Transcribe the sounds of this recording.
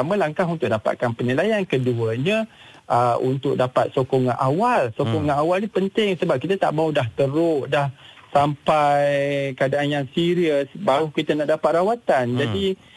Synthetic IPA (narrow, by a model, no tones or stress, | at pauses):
amə̃laŋkaɦunt̪ʊk̚dapa̰ʔ̪̚kanpənilajankəduəɲã | ʔəʔunt̪ʊk̚dapa̰t̪̚sokɔŋaʔawalsokɔŋaʔawalnipənt̪ɪŋsəbap̚kit̪at̪a̰ʔmaudaɦt̪əɾʊʔdah | sampajjkadaanjaŋsiɾiəsbaɾukit̪anaʔdapat̪̚rawat̪and͡ʒadi